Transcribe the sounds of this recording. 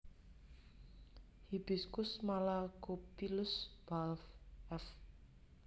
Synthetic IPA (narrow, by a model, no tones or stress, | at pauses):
hib̥i̤skʊsmalaɡopilʊsb̥alfɛf